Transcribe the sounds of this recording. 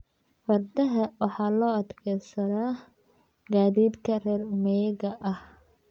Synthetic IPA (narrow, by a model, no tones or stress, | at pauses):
fɐrd̪ɐɦɐwɑħɑːlɔːɐd̪kʰɛjsɐðaː | ɡaːðiːd̪kʰɐrɛːrʊmɛjɣɐʔɐh